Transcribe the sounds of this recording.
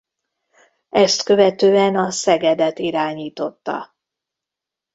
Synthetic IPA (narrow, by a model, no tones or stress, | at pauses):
ɛst̪kø̞vɛt̪øːɛnɒsɛɡɛd̪ɛt̪iɾaːɲiːt̪o̞t̪ːɒ̰